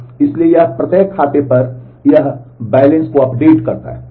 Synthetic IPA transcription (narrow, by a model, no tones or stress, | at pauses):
ɪsliejɐɦpɾɐt̪eːkʰːaːt̪epɐɾ | jɐɦbɛːɪlə̃nskoɐpɖeːʈkɐɾt̪a̰ɦɛː